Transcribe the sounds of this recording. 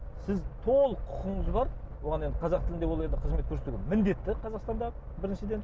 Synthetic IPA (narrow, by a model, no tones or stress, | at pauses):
sɪzt̪ʰolˠqʰʊ̥qəɴəzbɑɾwo̞ʁɑned̪əqʰɑzɑqt̪ʰɪlɪnd̪ewolˠend̪ɪqʰəzmet̪kʲʰɵɾset̪uɡʲenmɪnd̪e̞t̪ːɪqʰɑzɑqst̪ɑnd̪ɑ | bɪɾɪnʃɪd̪e̞n